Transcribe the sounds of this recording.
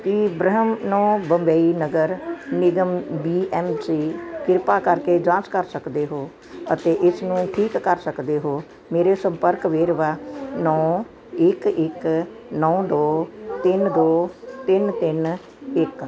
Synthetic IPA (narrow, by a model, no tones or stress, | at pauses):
kiːbɾəɦəmnɔ̃ːbəmbeːinəɡəɾnɪɡəmbiːʔɛːmsiːkɪɾpaːkəɾkeːd͡ʒãːt͡ʃkəɾsəkd̪eːɦoː | ət̪eːʔɪsnũːʈʰiːkːəɾsəkd̪eːɦoː | meːɾeːsəmpəɾkʋeːɾʋaːnɔː | ɪkɪk | nɔːd̪oːt̪ɪnd̪oːt̪ɪnt̪ɪn | ɪk